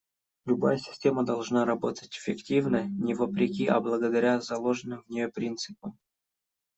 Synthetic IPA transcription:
lʲʊbajəsʲɪ̥sʲtʲe̞məd̪ɐlˠʐnaɾɐbo̞t̪ə̥tʲɪ̥fʲːɪktʲivnəjənʲɪvəpɾʲɪkʲiʔɐ̰blˠəɡəd̪ɐɾʲazɐlˠo̞ʐɨnːɨmvnʲɪjopɾʲint̪sɨpəm

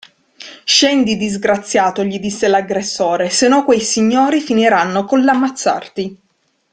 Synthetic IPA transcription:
ʃɛnd̪id̪izɡɾat̪sːjaːt̪oʎid̪isːelaɡɾesːoːɾesenːɔkːwɛjsiɲːoːɾifiniɾanːokonlːamːat̪sːa̰rt̪i

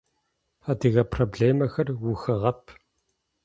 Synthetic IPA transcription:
ɐd̪ɨɣɐprobɮeːmɐxɐrwuxɐʁɐpʰ

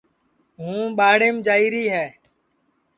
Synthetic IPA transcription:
ɦũːɓaːɽeːmd͡ʒaːiːɾiːɦɛː

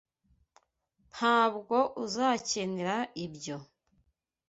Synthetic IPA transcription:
m̥haːβɡo̞ʔuzaːceneɾaibɟo̞

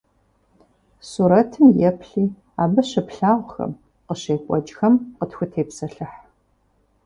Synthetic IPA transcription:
suːɾɐtʰɨmjɛpʰɬiː | aːbɐɕɐpɬaːʁʷxɐ̰m | qəɕeːkʷʼɔd͡ʒʼxɐmqətxʷʊtʰeːpsɐɬɨħ

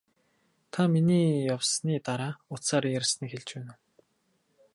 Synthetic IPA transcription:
t̪ʰaminiːjawsniːt̪aɾaːʊt͡s̪saːɾjæɾʲsnĭːkxeɮt͡ɕpæːnŭ

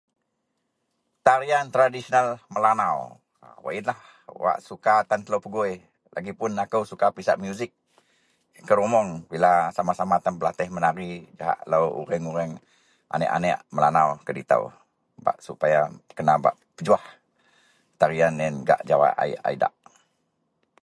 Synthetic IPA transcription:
t̪aɾiant̪ɾadisonalməlanaw | wa̰ʔinlah | wa̰ʔsukat̪ant̪əlowpəɡuj | lʔa̰ɡipʊnakəwsukapisa̰ʔmjuzɪk̚ː | əɾumɔŋbilasamasamat̪anpəlat̪ɛhmənaɾid͡ʒaɦa̰ʔlawṵɾəŋuɾəŋ | ʔa̰nɛ̰ʔa̰nɛʔməlanawkədḭt̪a̰w | ba̰ʔsupajakənaba̰ʔ | pəd͡ʒuah | t̪aɾianɛnɡa̰ʔd͡ʒawa̰ʔa̰iʔa̰ida̰ʔ

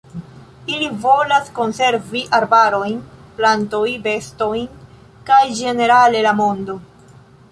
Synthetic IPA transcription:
ilivo̞lasko̞nse̞ɾviʔaɾbaɾo̞jnplanto̞jbe̞sto̞jn | kajd͡ʒe̞ne̞ɾale̞lamo̞ndo̞

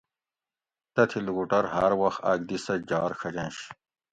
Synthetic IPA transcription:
t̪ɐt̪ʰiluɡuʈɐɾɦɐɾwɐxt̪a̰ːɡ̚d̪isɐd͡ʑaːɾkʰɐd͡ʑɐ̃nɕ

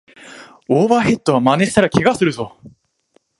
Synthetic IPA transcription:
oːβaɦe̞t̪ːo̞βamane̞si̥t̪aɾakʲeɡasɨɾɯ̟zo̞

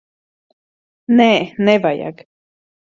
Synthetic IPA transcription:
neʔnevaja̰k

